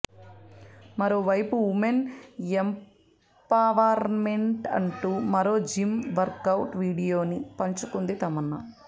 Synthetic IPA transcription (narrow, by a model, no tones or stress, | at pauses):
mɐɾoːʋɐjpuumenem | paːʋaːɾmeɳʈɐ̰ɳʈumɐɾo̞ːd͡ʒimʋɐɾkɐwʈʋiːɽijoːnipɐɲt͡ʃukund̪it̪ɐmɐnːɐ